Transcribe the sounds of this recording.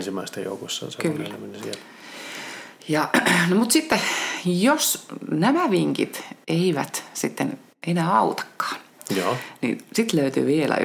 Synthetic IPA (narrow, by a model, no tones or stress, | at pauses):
nsimːæist̪ejo̰ukosːɑ̰nsekylːnæmenisiel | jɑnomut̪sit̪ːejosnæmæʋiŋkḭt̪eiʋæ̰t̪sit̪ːen | enæːɑut̪ɑ̥kːɑ̥ːnjjonḭsit̪løyt̪y̰ːʋielæ̰